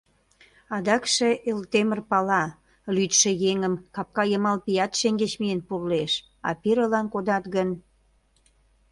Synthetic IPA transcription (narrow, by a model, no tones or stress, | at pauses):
ɑd̪ɑkʃeʔelt̪emərpɑlɑ | lyt̪ʃĕjeŋəmkɑp̚kɑjəmɑlpijɑt̪ʃeŋɡet͡ɕmienpurleʃ | ɑ̰piɾəlɑnkod̪ɑt̪ɣən